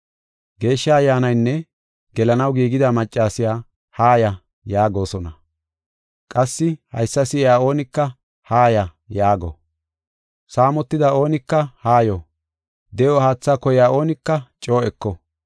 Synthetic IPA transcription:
ɡe̞ːʃːaɐjːaːnɐjnːɛ | ɡɛlɐnɐwɡiːɡɪd̪ɐmɐt͡ʃʼːaːsɪjaː | haːjɐ | jaːɡo̞ːsɔnɐ | kʼɐsːɪhɐ̰jsːɐsɪaːo̞ːnɪkːɐ | haːjɐ | jaːɡɔ̰ | saːmɔt̪ːɪd̪ɐo̞ːnɪkːɐhaːjɔ | d̪ɛjohaːt͡sːaːkɔjɪjaːʔo̞ːnɪkːɐt͡ʃʼo̞ːɛkːɔ

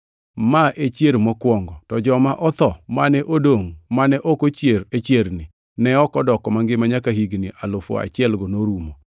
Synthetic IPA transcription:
maʔet͡ʃjeɾmɔkwɔŋɡɔtɔd͡ʒɔmaʔɔt̪ɔmanɛʔodoŋmanɛʔɔkot͡ʃjeɾet͡ʃjeɾnɪ | nɛɔkɔdɔkɔmaŋɡɪmaɲakaɦiɡnɪʔalʊfo̰a̰t͡ʃɪɛlɡɔnoɾumo

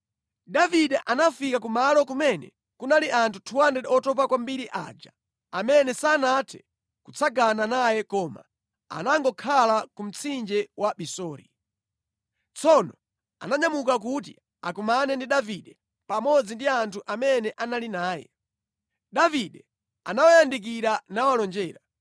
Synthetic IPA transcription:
daviɗɛʔanafikakumalɔk̬umɛnɛ̰ | kunaliʔantʰu̥tʰuwandɛɔtɔp̬akwambiɾiʔa̰ːd͡ʒa | amɛnɛsaːnatʰɛ̥ | kut͡sʰaɡananajɛkɔːma̰ | a̰naŋɡɔkʰalakum̩t͡sʰind͡ʒɛwʔaɓisɔːɾḭ | t͡sʰɔnɔ | a̰naɲamukak̬ut̬ḭ | akumanɛndiɗaviɗɛ | pamɔd͡zindiantʰuʔamɛnɛʔanalinaːjɛ̰ | ɗaviɗɛ | a̰nawajandik̬iɾanawalɔnd͡ʒɛːɾa

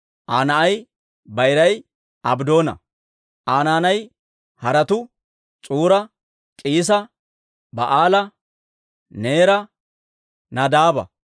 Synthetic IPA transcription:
ʔaːnɐʔɐj | bɐjɾɐj | ʔɐbd̪o̞ːnɐ̰ | ʔaːnaːnɐj | hɐɾɐt̪ʊ | t͡sʼuːɾɐ | kʼiːs̬ɐ | bɐʔaːlɐ | ne̞ːɾɐ | nɐd̪aːbɐ̰

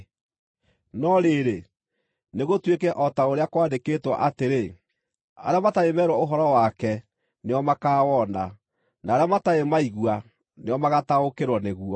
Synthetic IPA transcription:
nɔɾeɾe | neɣotwekɛʔɔtaoɾeakwaːndeketwa̰ʔateɾe | a̰ɾeamataemɛːɾwaoɦɔɾɔwakɛ | neɔmakaːwɔna | naːɾeamataemaiɣwa | neɔmaɣataokeɾwɔneɣuɔ

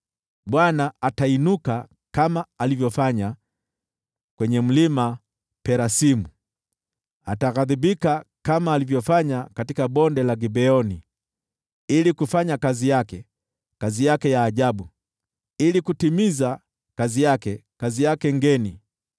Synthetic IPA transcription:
ɓwanaatainuka | kamaːlivjɔfaɲa | kwɛɲɛm̩lima | pɛɾasimu | ataɣaðibikakamaːlivjɔfaɲakatikaɓɔndɛlaɡibɛɔni | ilikufaɲakazijakɛ | kazijakɛjaːʄabu | ilikutimiza | kazijakɛkazijakɛŋɡɛni

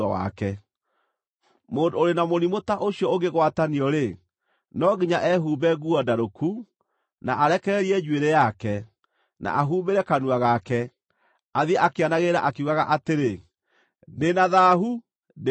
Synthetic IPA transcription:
awa̰kɛ | moːndoɾenamonimotaʔoɕjɔoɡeɣwataniɔɾe | nɔɣiɲaʔɛɦuːbɛɣuɔdaɾoku | naʔaɾɛkɛɾɛɾiɛd͡ʒweɾejakɛ | na̰ʔaɦuːmbeɾɛkanuaɣakɛ | aðiɛʔakeanaɣeɾa̰ʔakeuɣaɣaʔateɾe | nenaðaɦu | ne

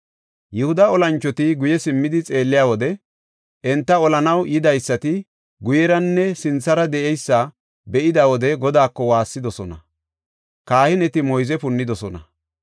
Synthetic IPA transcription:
jɛhʊd̪ɐɔlɐnt͡ʃːɔt̪ɪɡʊjɛsɪmːɪd̪ɪt͡sʼe̞ːlːɪjaːwɔd̪ɛ | ʔɛnt̪ːɐɔlɐnɐwʔɪd̪ɐjsːɐt̪ɪ | ɡʊjɛɾɐnːɛsɪnt͡sːɐɾɐd̪ɛʔɛjsːɐ | bɛʔɪd̪awɔd̪ɛɡɔd̪aːkːɔwaːsːɪd̪ɔsɔnɐ | kaːhɪnɛt̪ɪmɔjzɛpʊnːɪd̪ɔsɔnɐ

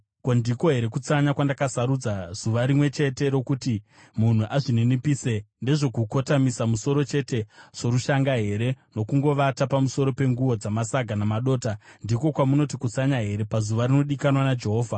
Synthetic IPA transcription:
kondiko̞ɦe̞ɾe̞kut͡saɲakwandakasaɾud͡zaz̥uʋaɾimwe̞t͡ʃe̞te̞ɾo̞kuti | mun̤uʔaʐinenipiːsende̞ʐo̞kuko̞tamisamuso̞ɾo̞t͡ʃe̞te̞ʐ̥oɾuʃaŋɡaɦe̞ɾe̞no̞kuŋɡo̞ʋatapamuso̞ɾo̞pe̞ŋɡuwo̞d͡zamasaɡʱanamaɗo̞ːtandiko̞kwamuno̞tikut͡saɲaɦe̞ɾe̞pazuʋarino̞ɗikanwanad͡ʒe̞ɦo̞ːvʱa

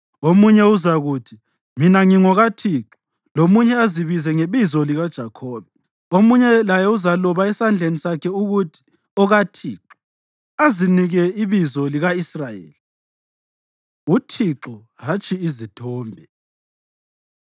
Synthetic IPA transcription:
omuɲɛuzaɣuːtʰi | minaŋiŋɔɣatʰiːǁɔ | lomuɲɛaziβizɛŋeβizɔliɣad̥ʒ̥ʱakʰɔːβɛ | omuɲɛlajɛuzalɔβaɛsand͡ɮʱenisakʰɛuɣutʰi̥ | ɔɣatʰiːǁɔ | aziniɣɛiβizɔliɣaisrajḛːli | utʰiǁɔ | ɦat͡ʃʰʼiizitʰɔːmbʱɛ

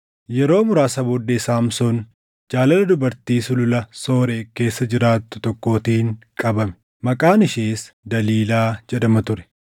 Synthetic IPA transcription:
jɛɾo̞ːmʊɾaːsɐbɔd̪ːɛsaːmsɔn | d͡ʒaːlɐlɐd̪ʊbɐɾt̪iːsʊlʊlɐso̞ːɾe̞ːke̞ːsːɐd͡ʒɪɾaːt̪ːʊ̥t̪ɔkːo̞ːt̪iːŋkʼɐbɐmɛ̥ | mɐkʼaːnɪʃeːs | d̪ɐliːlaːd͡ʒɛᶑɐmɐt̪ʊɾɛ̥

